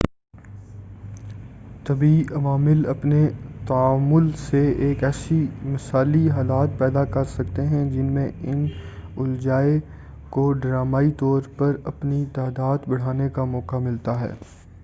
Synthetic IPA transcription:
t̪ɐbiɐʋaːmɪlɐpnet̪ɐaːmʊlseeːkɛːsimɐsaːliɦaːlaːt̪̚pɛːd̪akɐɾsɐkt̪eɦɛ̃d͡ʒɪnmẽɪnʊld͡ʒaːe | koɖɾaːmaːit̪ɔːɾpɐɾɐpnit̪aːd̪aːd̪bɐɽ̤aːnekamɔːkamɪlt̪aɦɛ̰ː

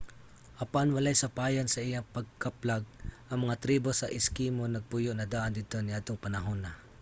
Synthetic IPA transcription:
ʔɐpanwɐlajsɐpaːjansɐʔɪjapɐɡ̚kaplaɡ̚ʔɐŋmɐŋat̪ɾiːbosɐʔɪskimonɐɡ̚pʊjoʔnɐd̪aːʔand̪ɪt̪onɪʔat̪oŋpɐnɐɦonɐ

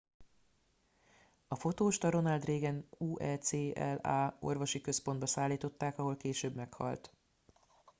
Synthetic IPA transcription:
ɒfo̞t̪oːʃt̪ɒɾo̞nɒld̪reːɡɛnuːʔɛseːɛ̰laːo̞̰rvo̞ʃikø̞spo̞nd̪bɒsaːlːiːt̪o̞t̪ːaːkɒɦo̞lkeːʃøːbmɛkhɒ̰lt̪

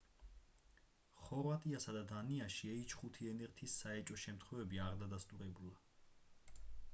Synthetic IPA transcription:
χɔɾvat̪ʼiasad̪ad̪aniaʃiɛit͡ʃʰχut̪ʰiɛnɛɾt̪ʰisːaɛt͡ʃʼɔʃɛmt̪ʰχwɛvɛbiaɾd̪ad̪ast̪ʼuɾɛbula

